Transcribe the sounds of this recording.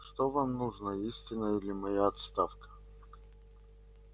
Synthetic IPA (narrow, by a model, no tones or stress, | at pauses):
ʂt̪ovamnuʐnəisʲtʲɪnəilʲɪmɐjaɐt̪st̪afkə̥